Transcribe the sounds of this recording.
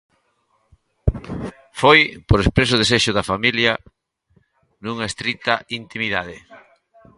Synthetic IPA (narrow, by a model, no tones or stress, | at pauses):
fojpoɾespɾes̬ʊðes̬eʃʊðafamiljɐ | nuŋɐest̪ɾit̪ɐint̪imiðað̞e